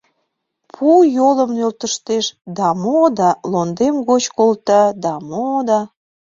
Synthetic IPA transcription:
pʰujoləmnølt̪əʃt̪eʃd̪ɑmod̪ɑlond̪emɣot͡ɕkolt̪ɑd̪ɑmod̪ɑ

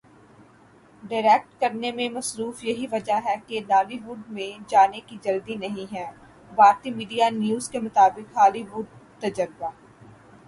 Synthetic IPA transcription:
ɖaːɪɾɛk̚ʈkɐɾnemẽmɐsɾuːfjɐɦiʋɐd͡ʒaɦɛkelaːliʋʊɖmẽd͡ʒaːnekid͡ʒɐld̪inɐɦĩɦɛː | baːɾt̪imiːɖijanjuːzkemʊt̪aːbɪkɦaːliʋʊɖ̚t̪ɐd͡ʒəɾɪbaː

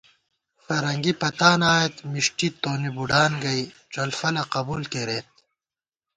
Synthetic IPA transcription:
fɐɾɐŋɡipɐt̪aːnaːjet̪miʂʈit̪oːnibuɖaːnɡɐjʈ͡ʂɐlfɐlɐqɐbuːlk̪eɾeːt̪̚

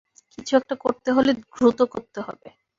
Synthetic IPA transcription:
kit͡ɕʰuɛk̚ʈakoɾt̪eɦoleɡɾut̪okoɾt̪eɦɔ̰be

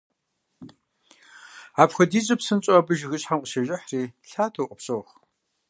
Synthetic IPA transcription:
aːpxʷɐdiːzʼɐpsɨnt͡ɕʼoaːbɨʒɣɨɕħamqʼəʃɐʒʷʼɪħriːɬaːtʰoːʔʼɐpɕʼoχ

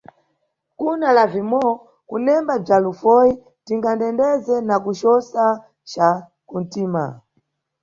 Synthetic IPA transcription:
kunalavimɔ | kunɛmbab͡ʐalufɔji | tiŋɡandɛndɛzɛnakut͡ʃɔsa | t͡ʃa | kun̩tiːma̰

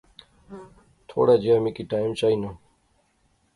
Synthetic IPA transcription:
t̪ʰo̰ːɽad͡ʑijaːmikiʈaːimt͡ɕaːina

